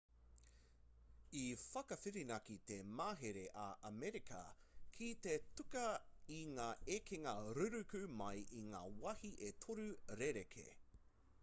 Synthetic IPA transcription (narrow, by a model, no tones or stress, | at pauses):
ifɐkɐfiɾinɐkit̪emaːɦeɾeʔɐʔɐmɛɾikʰɐ̰ | kʰit̪etʉkɐiŋaːekʰeŋɐɾʉɾʉkʉmɐjʔiŋa̰ːwɐhiʔetʰoɾʉɾeɾekʰḛ